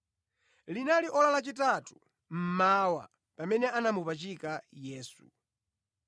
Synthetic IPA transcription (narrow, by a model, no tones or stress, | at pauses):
linaliʔɔlalat͡ʃitatu̥ | m̩maːwa̰ | pamɛnɛanamupat͡ʃikajɛːsṵ